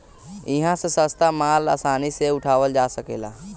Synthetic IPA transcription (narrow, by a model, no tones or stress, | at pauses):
ɪɦãsesə̃st̪amaːlaːsaːniseʊʈʰaːʋəld͡ʒaːsəkḛːla̰ː